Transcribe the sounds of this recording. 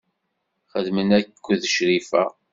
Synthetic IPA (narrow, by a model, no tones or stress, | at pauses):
χəðmənækkʷːðəʃɾifæ